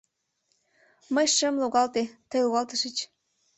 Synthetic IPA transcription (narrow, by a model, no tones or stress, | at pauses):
məjʃəmloɣɑlt̪et̪əjloɣɑlt̪əʃət͡ɕ